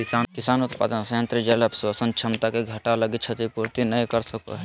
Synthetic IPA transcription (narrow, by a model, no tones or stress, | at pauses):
kɪsaːnkɪsaːnʊt̪pa̰ːd̪ənsəə̃nt̪ɾid͡ʒelɐbswasənt͡ʃʰɐmt̪akeɡʱɐʈalɐɡit͡ʃʰɐt̪ipuɾt̪inɐɦĩkɐɾsɐko̰ɦ